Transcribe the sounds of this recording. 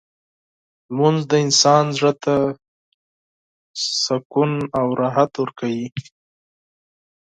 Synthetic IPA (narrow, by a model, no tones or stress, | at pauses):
munzd̪əɪnsɑnzʐət̪a | sakunawɾɑɦat̪wəɾkʰawi